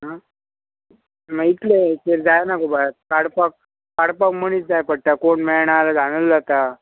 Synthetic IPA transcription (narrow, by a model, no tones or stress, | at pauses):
ɦã | mait̪let̪eɾd͡zajnakobat̪̚kaɽpak̚ | kaɽpakmənit̪̚d͡zajpəɽt̪akoʈmɛɭɳalad͡zʱañulːat̪a